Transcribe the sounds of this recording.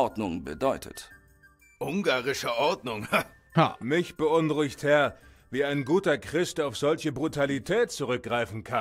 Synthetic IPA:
ɔɐdnʊŋbə̰dɔʏtʰə̰t | ʔʊŋɡaːʁɪʃəʔɔɐdnʊŋha | mɪçb̥əʔʊnʁʊɪçthɛɐ | viːaɪnɡuːtɐkʁ̥ɪstaʊfz̥ɔlçəbʁutʰalitʰɛːt̚t͡suʁ̞ʏk̚ɡ̥ʁaɪfn̩kʰan

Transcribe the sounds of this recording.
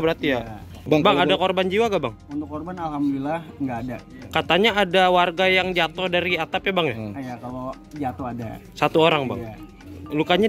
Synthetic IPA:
bəɾart̪ija | babaŋadakorband͡ʒiwaɡabaŋunt̪ʊkːorbanalɦamduilahŋɡaːda | kat̪aɲaadawarɡajaŋd͡ʒat̪odaɾiat̪apjabaŋjajakalo | d͡ʒat̪oada̰sat̪uoɾaŋba̰ŋ | lukaɲa

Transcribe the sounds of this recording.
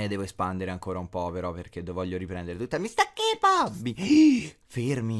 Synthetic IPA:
ed̪ɛːvoespand̪eɾeaŋkoːɾaumpɔpeɾɔpːerk̟ed̪ovɔʎːoɾipɾɛnd̪eɾet̪ut̪ːamist̪akːepabːi | fermi

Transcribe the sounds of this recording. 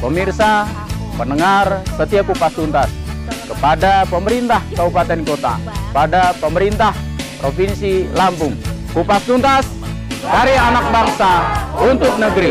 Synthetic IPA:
pəmirsa | pənəŋarsət̪iakupast̪unt̪askəpadapəməɾint̪ahkabupat̪ɛnkot̪a̰kəpadapəməɾint̪ah | pɾofinsilampʊŋ | kupast̪unt̪as | kaɾianak̚baŋsaunt̪ʊk̚nəɡɾi

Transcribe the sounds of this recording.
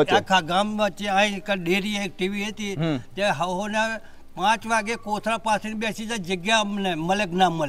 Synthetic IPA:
akʰaɡamat͡ʃeãĩkəɗeɾiak̚ʈiʋiɦet̪it̪jãɦəɦone | pãt͡ʃʋaːɡekoːt̪ʰɾapaːsiniɓesid͡ʒad͡ʒəɡjaneməleɡnaməl

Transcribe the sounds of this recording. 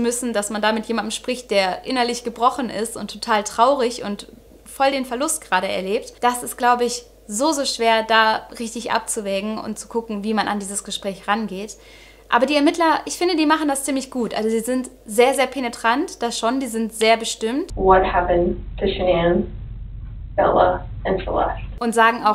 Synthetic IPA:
t͡sumʏsn̩dasmandaːmɪtjeːmand̚m̩ʃpʁ̥ɪçt̚d̥eːɐʔɪnɐlɪçɡ̥əbʁɔχn̩ɪ̰stʊntʰːotʰaːltʁ̥aʊʁɪçʊ̰nt | fɔldeːnfɛɐlʊst̚ɡ̥ʁaːɾəɛ̰ɐleːp̚td̥asɪst̚ɡ̥laʊbəɪç | zoːzoːʃv̥eːɐdaːʁɪçtɪçʔa̰p̚t͡suvɛːɡŋ̩ʊ̰ntt͡su̥kʰʊkŋ̩viːmana̰ndiːzəsɡ̥əʃpʁ̥ɛːçʁanɡeːt | ʔa̰ːbɐdiːɛɐmɪtlɐʔɪçfɪndədiːmaχn̩dast͡siːmlɪçɡ̥uːtʔa̰lzodiːzɪnt | zeːɐzeːɐpʰenetʁ̥antd̥asʃondiːzɪntz̥eːɐbəʃtɪmtwʌt̚hæpɨ̃ntʰɨʃɪñn | fɛ̰lˠə̰ɨ̃nfə̰lɛ̰stʔʊntz̥aːɡŋ̩aʊx

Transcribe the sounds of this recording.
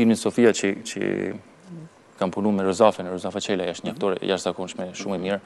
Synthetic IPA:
filminsɔfiat͡ʃət͡ʃə̰ | kanpununmɛɾɔzafɛnɾɔzafɛt͡ʃɛlajaʃt̪ɲaft̪ɔɾɛ̰jaʃtz̥akɔnʃmɛʃumɛmiɾ

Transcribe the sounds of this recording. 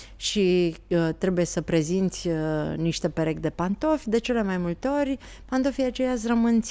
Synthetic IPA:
ʃit̪ɾe̞buje̞səpɾe̞zint̪sʲniʃt̪e̞peɾe̞kd̪e̞pant̪o̞fʲd̪e̞t͡ʃe̞le̞majmult̪eo̞rʲ | pant̪o̞fijat͡ʃe̞jas̬ʲrəmɨnt̪sʲ

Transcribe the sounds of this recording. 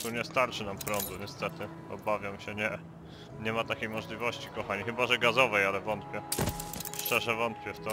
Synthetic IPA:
t̪uɲɛst̪aɾt͡ʂɘnampɾɔnzuɲɛst̪ɛt̪ɘ | ɔ̰bavʲjamɕɛɲɛ | ɲɛmat̪akʲejmɔʐlʲivɔɕt͡ɕikɔxaɲixɘbaʐɛɡazɔvɛjalɛvɔnt̪̚pʲjɛ | ʂt͡ʂɛʐɛvɔnt̪pʲjɛft̪ɔ

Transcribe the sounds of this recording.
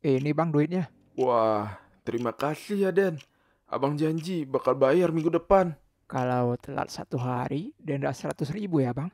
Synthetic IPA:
inibaŋduɪt̪̚ɲa | wah | t̪əɾimakasijadɛn | a̰baŋd͡ʒaɲd͡ʒibakalbajarmiŋɡudəpan | kalawt̪əla̰t̪̚sa̰t̪uɦaɾidɛndasəɾat̪ʊsribujabaŋ

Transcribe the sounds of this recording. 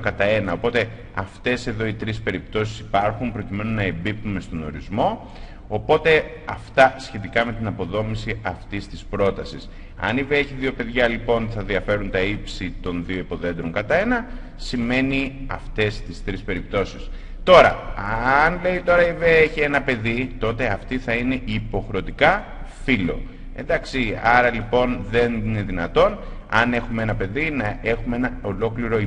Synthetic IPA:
kɐt̪ɐe̞nɐo̞po̞t̪e̞ | ɐ̰ft̪e̞se̞ðo̞it̪ɾispe̞ɾipt̪o̞sisi̥pɐɾxumpɾo̞cime̞nunɐe̞bip̚t̪ume̞st̪o̞no̞̰ɾizmo̞ː | po̞t̪e̞ | ɐft̪ɐsçe̞t̪̬ikɐme̞t̪inɐpo̞ðo̞misiɐft̪ist̪ispɾo̞t̪ɐsis | ɐ̰niveeçiðio̞pe̞ðʝɐlipo̞nθɐðiɐfe̞ɾunt̪ɐipsit̪o̞nðio̞ipo̞ðe̞nd̪ɾoŋkɐt̪ɐe̞nɐ | sime̞niɐft̪e̞st̪ist̪ɾispe̞ɾip̚t̪o̞si̥s | t̪o̞ɾɐ̰ɐnle̞it̪o̞ɾɐiveeçie̞nɐpe̞ðit̪o̞t̪e̞ɐft̪iθɐine̞ipo̞xɾeo̞t̪ikɐ | filo̞̰ | e̞nd̪ɐksiɐɾɐlipo̞nðe̞nine̞ðinɐt̪o̞n | ɐne̞xumee̞nɐpe̞ðinɐe̞xume̞nɐo̞lo̞kliɾo̞i

